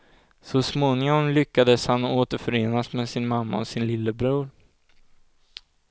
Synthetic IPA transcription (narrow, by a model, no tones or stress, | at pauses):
sɔsmoːnɪŋɔmlʏkːad̪əshanoːt̪əɾfœɾeːnasmɛsɪnmamːa̰ɔsɪnlɪlːəbɾuːɾ